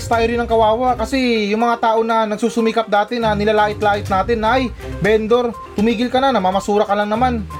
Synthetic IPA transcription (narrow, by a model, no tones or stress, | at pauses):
st̪ajɾɪnɐŋkɐwaːwaʔkɐsɛjʊŋmɐŋat̪aːʔo̞nɐnɐɡ̚suːsʊmiːkɐp̚d̪aːt̪ɪnːɐnɪlaːlaːʔɪt̪laːʔɪt̪naːt̪ɪnːɐʔɐj | bɛːnd̪o̞ɾ | t̪ʊmiːɡɪlkɐnɐnɐmamɐsuːɾɐkɐlɐŋnɐman